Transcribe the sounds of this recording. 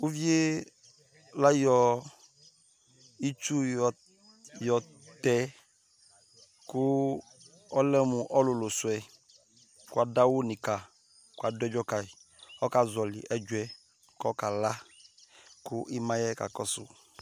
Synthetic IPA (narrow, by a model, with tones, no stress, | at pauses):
u˦vi˦e˦ | la˦jɔ˨ | i˦t͡ʃu˦˨ | jɔ˨ | t̪ɛ˨ | kʊ˦ | ɔ˦lɛ˦mʊ˨ʔɔ˦lʊ˨lʊ˨sʊ˨ɛ˨ | kwa˨da˦wʊ˦nĩ˨ka˨ | kwa˨dʊ˦ɛ˦d͡ʒɔ˦ka˨i˨ | ɔ˦ka˨zɔ˨lɪ̰˨ʔɛ˦d͡ʒʊ˦ɛ˨ | kɔ˦ka˨la˦ | kʊ˦ʔi˦mã˦jɛ˦ka̰˨kɔ˦sʊ̰˨